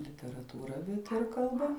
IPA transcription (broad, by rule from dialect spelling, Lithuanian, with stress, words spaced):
lʲɪtʲɛrɐtuːˈrɐ bʲɛt ɪr kɐlˠˈbɐ